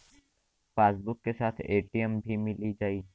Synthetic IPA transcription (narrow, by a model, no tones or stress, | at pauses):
faːsbʊkːesaːt̪ʰeːʈiəmbʱimɪlid͡ʒaːiː